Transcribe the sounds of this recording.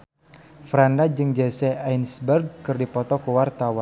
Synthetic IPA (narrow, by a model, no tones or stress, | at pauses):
fɾandad͡ʒɨŋd͡ʒɛsɛajnsbərɡ̚kɨrdipɔt̪ɔkuwart̪awan